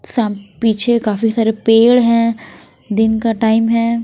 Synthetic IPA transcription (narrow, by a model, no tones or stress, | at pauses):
saːpiːt͡ʃʰekaːfisaːɾepeːɭɦɛ̃ː | d̪ɪnkaʈaːɪmɦɛ̃ː